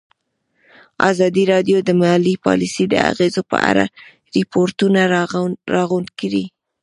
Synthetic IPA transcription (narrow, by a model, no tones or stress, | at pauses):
ɑ̰zɑd̪iɾɑd̪jod̪əmalipɑ̰lisid̪ə̰a̰ɣezopə̰ʔa̰ɾa̰ | ɾɪpoɾt̪unaɾɑɣund̪kaɾi